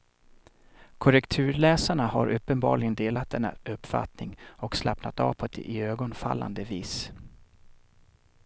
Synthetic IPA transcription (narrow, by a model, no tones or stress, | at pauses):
kʰɔɾɛkt̪ʰʉ̟ːɾlɛːsaɳaha̰ɾʔɵpːənbɑ̰ːɭɪɡənd̪eːlat̪̚d̪ɛnːa̰ʔɵpːfa̰t̪nɪŋɔkslapnat̪ɑ̰ːvpʰɔɛt̪ɪøːɡɔnfa̰lːand̪əviːs